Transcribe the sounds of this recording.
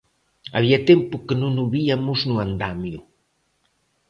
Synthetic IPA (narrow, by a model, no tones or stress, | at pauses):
a̰βiat̪empʊkenõnuβiamʊznuand̪amjʊ